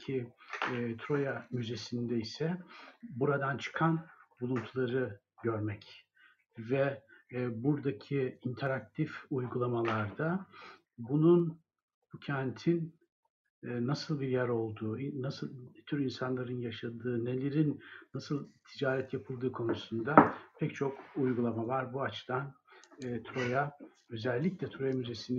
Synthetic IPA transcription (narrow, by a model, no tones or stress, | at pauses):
i | t̪ʰɾo̞jamyze̞sind̪ɛisɛbuɾad̪ant͡ʃʰɯ̥kʰanbulˠunt̪ʰulˠaɾɯ | ɟø̞ɾmɛc | vɛ | buɾd̪acʰiint̪ʰeɾak̚t̪ʰifujɡulˠamalˠaɾd̪a | bunun | bucʰɛnt̪ʰin | nasɯlˠbiɾjæɾo̞lˠd̪uːinasɯlˠt̪ʰyɾinsanlˠaɾɯnjaʃad̪ɯːne̞lʲe̞ɾinːasɯlˠt̪ʰid͡ʒaːɾɛt̪ʰjapʰɯlˠd̪ɯːkʰo̞nusund̪apʰɛct͡ʃʰo̞kujɡulˠamavaɾbuat͡ʃt̪ʰanːt̪ʰɾo̞ja | ø̞zɛlʲːiclʲɛt̪ʰɾo̞jamyze̞sin